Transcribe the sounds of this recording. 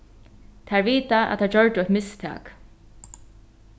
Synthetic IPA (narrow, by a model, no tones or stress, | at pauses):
t̪ʰaɹviːt̪aæ̰t̪ʰaɹd͡ʒœɹt̪ɪɔt̪mɪst̪ʰæ̰ːk